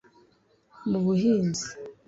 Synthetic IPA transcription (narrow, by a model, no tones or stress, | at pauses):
muβuhiːnzi